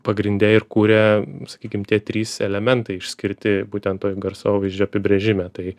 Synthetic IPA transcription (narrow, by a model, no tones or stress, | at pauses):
pɐɡɾʲɪnʲd̪ʲɛɪɾkuːɾʲɛsɐ̥kʲiːkʲɪmt̪ʲiɛt̪ʲɾʲiːsɛlʲɛmʲɛnt̪ɐɪɪʃʲsʲkʲɪɾʲt̪ʲɪbuːt̪ʲɛnt̪toːjɡɐɾsoːʋʲɐɪʒʲd͡ʒʲoːɐpʲɪbʲɾʲɛʒʲɪmʲɛt̪ɐɪ